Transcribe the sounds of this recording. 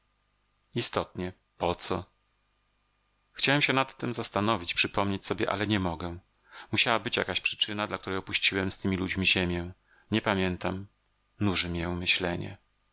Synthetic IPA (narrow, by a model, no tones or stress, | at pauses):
ist̪ɔt̪ɲɛ | pɔt̪sɔ | xt͡ɕawɛmɕɛnat̪ːɘmzast̪anɔvʲit͡ɕpʂɘpɔmɲet͡ɕsɔbʲjɛʔa̰lɛɲɛmɔɡɛ | muɕawabɘt͡ɕja̰kaɕpʂɘ̥t͡ʂɘnad̪lak̚t̪uɾɛjɔpuɕt͡ɕiwɛmst̪ɘmʲilud͡ʑmʲiʑeɛmʲjɛ̃ | ɲɛpamʲjɛnt̪am | nuʐɘmjɛmɘɕlɛɲɛ̰